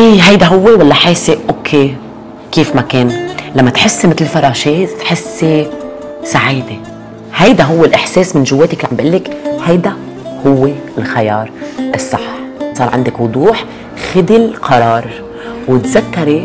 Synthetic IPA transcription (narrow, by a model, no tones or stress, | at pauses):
ʔiːɦajd̪aɦʊwːewalːaħeːseʔokʰːe | kiːfmakeːnlamːat̪ħɪsːmɪt̪lfɑɾˤɑːʃeːt̪ħɪsːe | saʕiːd̪e | hajd̪aɦʊwːɪlʔɪħseːsmɪnʒʊwːeːt̪aklʕambʔɪlːɪkhajd̪a | hʊwːeɪlxajɑːɾˤʔɨsˤːɑħːsˤɑːɾˤʕɪnd̪ɪkwʊd̪ˤuːħ | xɪd̪ilqʰɑɾˤɑːɾˤ | wɪt̪zakːaɾe